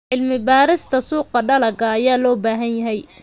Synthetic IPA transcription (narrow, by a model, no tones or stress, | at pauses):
ʕɪlmɪbaːɾɪst̪ʰɐsuːqɐɖɐlɐɡɐːjaːlɔːbaːɦɐnjɐɦɛj